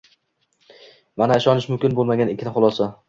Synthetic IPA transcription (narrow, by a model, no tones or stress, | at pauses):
manaɪʃɒnɪʃmʊmkʲɪnbolˠmaɡʲanɪkʲʰːɪnɪχʊlˠɒsa